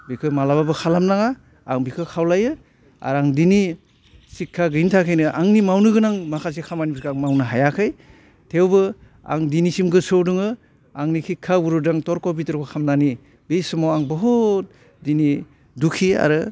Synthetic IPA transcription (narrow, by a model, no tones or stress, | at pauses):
bikʰɯmalababɯkʰalamnaŋaː | ŋbikʰɯkʰawlajɯ | a̰ɾaŋdini | sikʰːaɡɯntʰakʰɯjnɯʔa̰ŋnimawnɯɡɯnaŋmakʰas̬ekʰamanibʰikʰaŋmawnɯɦajakʰɯj | tʰewbɯ | a̰ŋdinisimɡɯsɯwdɯŋɯ | aŋnikʰikʰːawuɾudaŋtɔɾkɔwp̬itɔɾkɔkʰamnani | bejsɯmowaŋbɔɦut̚ | dini | dukʰia̰ɾɯ